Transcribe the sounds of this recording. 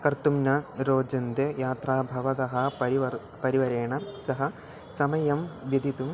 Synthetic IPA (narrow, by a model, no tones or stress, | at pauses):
kɐɾt̪umnɐɾoːd͡ʒɐnd̪ejaːt̪ɾaːbʱɐʋɐd̪ɐɦɐɐiɐ | pɐɾiʋɐɾeːɳɐsɐɦɐ | sɐmɐjɐmʋjɐd̪ʱit̪um